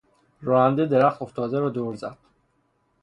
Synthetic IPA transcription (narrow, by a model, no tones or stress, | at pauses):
ɾɒːænd̪ed̪eɾæxt̪oft̪ʰɒːd̪eɾɒːd̪oɾzæ̰d̪̥̚